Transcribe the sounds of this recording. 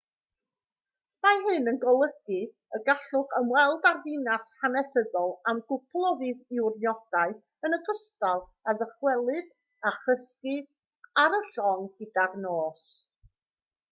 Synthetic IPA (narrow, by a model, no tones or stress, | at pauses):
majɦɨnənɡɔlˠəɡɨ | əɡaɬʊχəmwɛlˠdarðɨnashanɛsədɔlˠamɡʊpʰlˠɔvɨθɪwrnjɔd̥aɨθ | ənəɡəstalˠaðəχwɛlˠɨd̥ | aχəskɨ | aɾəɬɔŋɡədarnoːs